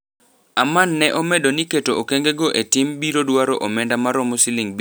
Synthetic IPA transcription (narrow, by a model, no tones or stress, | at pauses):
amanːɛʔɔmɛdoniketookeŋɡeɡoʔetɪmbiɾodwaɾɔʔomɛndamaɾɔmosilɪŋb